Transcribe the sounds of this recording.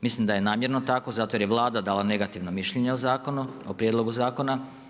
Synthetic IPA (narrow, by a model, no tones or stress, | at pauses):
mislimd̪ajenaːmje̞ɾnot̪akozat̪oje̞ɾjeʋlˠaːd̪ad̪aːlˠane̞ɡat̪iʋnomiʃʎeɲeozaːkonuopɾjed̪lˠo̞ɡuzaːkona